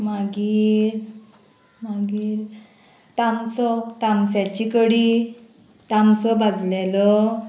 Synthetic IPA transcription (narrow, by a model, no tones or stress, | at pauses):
maɡiːɾ | maɡiːɾ | t̪amsɔt̪amsjat͡ɕikəɽi | t̪amsɔbad͡zlelɔ